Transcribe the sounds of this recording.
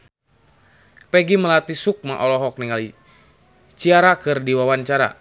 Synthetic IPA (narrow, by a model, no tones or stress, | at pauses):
pɛɡiməlat̪isuk̚ma̰ʔɔlɔɦɔk̚niŋali | t͡ʃiaɾakɨrdiwawaɲt͡ʃaɾa̰